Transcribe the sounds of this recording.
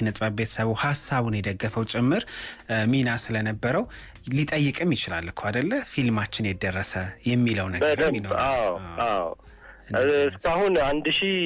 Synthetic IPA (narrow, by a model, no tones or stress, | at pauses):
nɨt̪ʼbəbe̞t̪ʰə̥səβuwhasːaβunjɛd̪əɡːəfəwt͡ʃʼɪmːɨɾminasɨlənəbːəɾəw | lit̪ʼəjːɨkʼɨmːjɪt͡ʃɪla̰lːkʰad̪əlːəfilmat͡ʃːɪnjɛd̪ərːəsəjɛmːiləwnəbəɾminawaaw | ɨnɨskahunand̪ʃi